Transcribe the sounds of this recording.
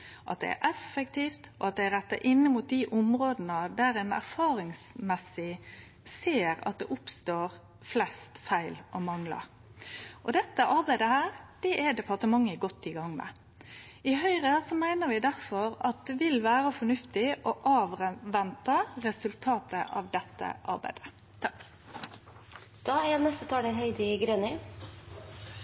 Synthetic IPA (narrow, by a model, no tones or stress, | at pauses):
ʔɑ̰t̪̚d̪ɛ̰ɛ̰ʔɛfəkt̪iːft̪ɔ̰ɑt̪̚d̪ɛɛɾɛt̪ːɑʔɪnːəmuːt̪̚d̪ɪʔʊmɾoːd̪ənəd̪æɾɛnæ̰ɾfɑːɾɪŋsmɛsɪ | seːɾɑ̰t̪̚d̪ɛ̰ʔʊpst̪oːɾ | flɛst̪fæɪlʔɔmɑŋlɑ̰ | ʔɔd̪ɛt̪ːəʔɑɾbæɪd̪əhæːɾd̪̥ɛʔɛd̪ɛpʰɑʁt̪əmɑŋːəɪɡɔt̪ːɪɡɑŋːmɛ̰ | ɪɦœʏɾəsɔmæɪnəɾʋɪd̪æɾfɔɾɑt̪̚d̪ɛʋɪlʋæːɾəfɔɳʉft̪ɪʔɔʔɑːʋʁʋɛnt̪ɑɾɛsʉlt̪ʰɑːt̪əʔɑ̰ʋd̪ɛt̪ːə̰ʔɑ̰ɾbæ̰ɪd̪̥ə̥ | d̪̥ɑːɛnɛst̪ət̪ʰɑːɛɾhœʏd̪ɪɡɾønə